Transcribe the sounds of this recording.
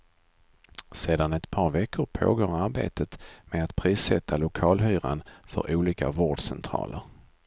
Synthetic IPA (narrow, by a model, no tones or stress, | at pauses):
seːd̪anɛt̪pʰɑːɾvɛkʰːʊɾpʰo̰ːɡoːɾaɾbḛːt̪ʰət̪meat̪pʰɾiːsɛt̪ʰːalʊkʰɑːlhyːɾanfœ̰ɾʔuːliːka̰voːɖsɛnt̪ʰɾɑ̰ːləɾ